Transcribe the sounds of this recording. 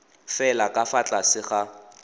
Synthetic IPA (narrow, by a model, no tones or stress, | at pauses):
fɛlakʼafat͡ɬʼasɪχa